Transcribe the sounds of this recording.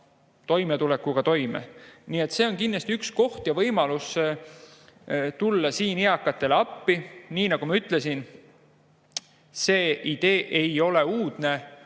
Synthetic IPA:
t̪o̞jmet̪ulekːˑuɡ̥ɑt̪o̞jmḛniːe̞t̪se̞ːo̞nkinːɑst̪iyksko̞ht̪jɑvɤjmɑlus | t̪ulːɑsiːniɑkːˑɑt̪ːˑe̞leɑpːiniːnɑɡ̥umɑyt̪ˑle̞sin | seːʔid̪̥e̞ːʔe̞jo̞le̞uːd̪̥ne̞

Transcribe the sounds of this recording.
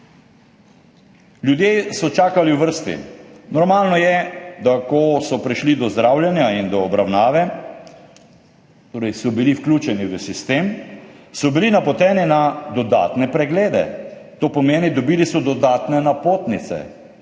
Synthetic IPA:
ljud̪jesɔt͡ʃaːkaliwʋəɾst̪ḭnɔɾmaːlnɔjɛd̪akɔsɔpɾiʃlid̪ɔzd̪ɾaːwljɛnjaind̪ɔːbɾawnaːʋɛ | t̪oːɾɛjsɔbiliwklʲuːt͡ʃɛniʋəsist̪eːmsɔbilinapɔt̪ɛːninad̪ɔd̪a̰ːt̪nɛpɾɛɡleːd̪ɛ̰t̪oːpɔmeːnid̪ɔbiːlisɔd̪ɔd̪aːt̪nɛnapoːt̪nit̪sɛ̰

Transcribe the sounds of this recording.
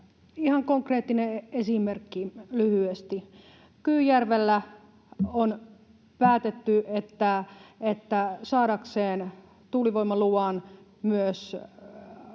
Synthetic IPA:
ihɑŋkoŋkreːt̪ːineesimerkːilyhyest̪i | kyːjærʋelːæ | on | pæːt̪et̪ːyet̪ːæet̪ːæsɑːɾɑkseːn | t̪uliʋoimːɑluɑˑn | myøs

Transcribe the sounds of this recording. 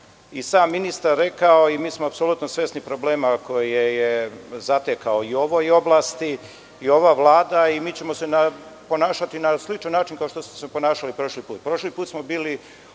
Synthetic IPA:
isaːmːinist̪aɾːe̞kaoimiːsmoapsolut̪nosʋest̪nipɾo̞ble̞ːmako̞jiejezat̪ekaoio̞ʋojo̞blast̪i | io̞ʋaʋlˠaːd̪aimiːt͡ɕe̞mose̞napo̞naːʃat̪inaslit͡ʃanːaːt͡ʃinkaoʃt̪o̞smosepo̞naːʃalipɾo̞ʃlipuːt̪̚pɾo̞ʃlipuːt̪smo̞biːli

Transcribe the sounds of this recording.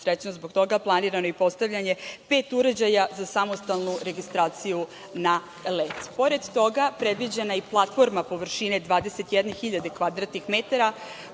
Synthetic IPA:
sɾet͡ɕnozbokt̪o̞ɡaplˠaniɾano̞ipo̞st̪aʋʎʲaɲe̞pe̞ːt̪uɾed͡ʑajazasamo̞st̪alˠnuɾe̞ɡist̪ɾaːt̪siju | na | let̪po̞ɾe̞d̪ːo̞ɡapɾe̞d̪ʋid͡ʑenaiplˠat̪fo̞ɾmapo̞ʋr̩ʃine̞d̪ʋaːd̪e̞se̞t̪jɛd̪nexiʎad̪e̞kʋad̪ɾat̪nixmet̪aɾa

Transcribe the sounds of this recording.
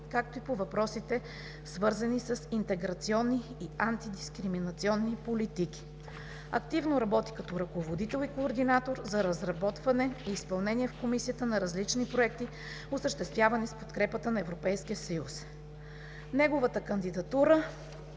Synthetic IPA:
kak̚t̪oipovɐpɾɔsit̪ɛ | svɤɾzɐnisəsint̪ɛɡɾɐt̪siɔnːiːant̪id̪iskɾiminɐt̪siɔnːipolit̪ik̟i̥ | ɐk̚t̪ivnoɾɐbɔt̪ikɐt̪ɔɾɐkovod̪it̪ɛlˠikoːɾd̪inat̪oɾzɐɾɐzɾɐbɔt̪vɐnɛiːspɐlˠnɛniɛfkomisijət̪ənɐɾɐzlit͡ʃnipɾoɛk̚t̪i | osəʃt̪ɛst̪vʲjavɐnispo̥t̪kɾɛpət̪ənɐɛvɾopɛjskiəsɐjus | nɛɡovət̪əkənd̪id̪ɐt̪uɾə

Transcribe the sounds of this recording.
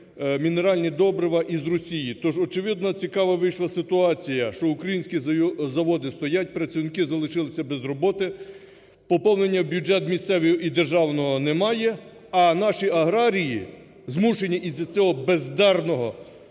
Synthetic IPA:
mʲineɾɑlʲnʲid̪ɔbɾɪʋɐʔizrɔsʲijit̪ɔʒɔt͡ʃeʋɪd̪nɐt͡sʲikɑʋɐʋɪjʃlˠɐsɪt̪ʊɑt͡sʲijɐʃt͡ʃɔʊkɾɐjinʲsʲkʲizɐʋɔd̪ɪst̪ɔjat̚ʲpɾɐt͡sʲiwnɪkɪzɐlˠɪʃɪlˠɪsʲɐbɛzrɔbɔt̪ɪ | pɔpɔwnenʲːɐbʲjud͡ʒɛt̪mʲist̪sɛʋʲijɔid̪erʒɑwnɔɦɔnɛmɑjɛ | ɐnɑʃiɐɦɾɑɾʲiji | zmuʃenʲːɐʔizɐt͡sʲɔɦɔbezd̪ɛrnɔɦɔ

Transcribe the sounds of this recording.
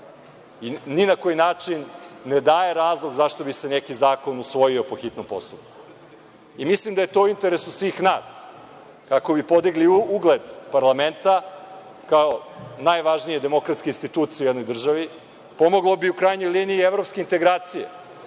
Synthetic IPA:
iːinakojinaːt͡ʂinːe̞d̪aːje̞ɾaːzlˠoɡzaʃt̪o̞bise̞nekizaːko̞nusʋo̞jio̞po̞xit̪no̞mpo̞̰st̪up̚ku̥ | imislˠimd̪aje̞t̪o̞uint̪e̞ɾesusʋiːxnaːs | kako̞bipo̞d̪iɡliuuɡled̪paɾlˠame̞nt̪a | kaonajʋaʒnijed̪e̞mo̞kɾat̪skeinst̪it̪uːt̪sijeujed̪no̞jd̪r̩ʒaʋi | po̞mo̞ɡlˠo̞biukɾajɲo̞jliːniːeʋɾo̞pskeint̪e̞ɡɾaːt̪sijḛ

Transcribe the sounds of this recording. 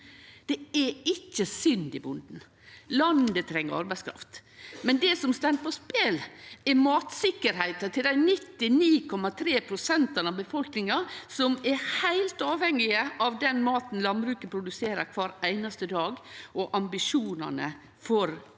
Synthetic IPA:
d̪̥ɛɛɪçːəsʏnd̪ɪbʊnd̪n̩ | lɑnd̪ət̪ʰɾɛŋːəɾɑ̰ɾbæɪskɾɑ̰ft̪mɛnd̪ɛsɔmst̪ɑnd̪̚pʰɔspeːlɛɾmɑːt̪sɪkːəɾhæɪt̪ət̪ʰɪld̪æɪnɪt̪ːɪniːkʰɔmɑt̪ʰɾeːpʰɾʊsɛnt̪ɑnɑʋbəfɔlknɪŋɑsɔmɛɾhæɪlt̪ɑːʋhɛŋːɪəʔɑʋd̪ɛnmɑːt̪n̩lɑnbɾʉːkəpʰɾʊd̪ʉseːɾəɾkʰʋɑːɾæɪnɑst̪əd̪ɑːɡɔʔɑmbɪʂuːnɑ̰nə̰ | fɔɾ

